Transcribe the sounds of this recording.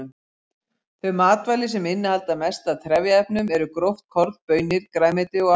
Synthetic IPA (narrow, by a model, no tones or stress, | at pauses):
m | θœɥmaːt̪vajlɪsɛmɪnːɪhalt̪amɛst̪aðt̪ʰɾɛvjaɛpnʏmɛɾʏkɾowft̪̚kʰɔɾðpœːɥnɪɾ̥kɾaːjmɪt̪ɪɔ